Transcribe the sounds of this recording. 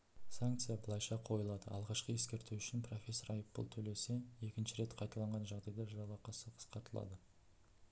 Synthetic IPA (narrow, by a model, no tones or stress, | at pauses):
saŋk̚t̪sɨjabəlˠɑjʃɑqʰo̞jəlˠɑd̪əɑ̰lˠʁɑʃqəe̞skʲe̞ɾt̪uʏʃɪnpro̞fʲe̞sːo̞ɾɑjəpːʊ̰lˠt̪ʰɵle̞se̞e̞kʲɪnʃɪɾe̞t̪qʰɑjt̪ɑlˠɑɴʁɑnʒɑʁd̪ɑjlɑɾʒɑwɑqɑsəqʰə̥sqɑɾt̪əlˠɑ̰d̪ə